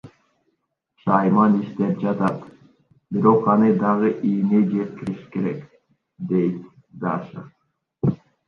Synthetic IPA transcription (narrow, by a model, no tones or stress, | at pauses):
ʃɑjmɑniʃt̪ep̚d͡ʒɑt̪ɑt̪ | biɾo̞qɑnɯd̪ɑʁɯʔined͡ʒe̞t̪̚kiɾiʃi̥ke̞ɾḛk | d̪e̞jt̪ | d̪ɑʃə